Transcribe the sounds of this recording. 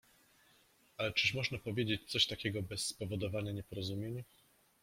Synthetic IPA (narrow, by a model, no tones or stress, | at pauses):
alɛt͡ʂɘʂmɔʐnapɔvʲjed͡ʑet͡ɕt̪sɔɕt̪akʲɛɡɔbɛsːpɔvɔd̪ɔvaɲaɲɛpɔɾɔzumʲjeɲ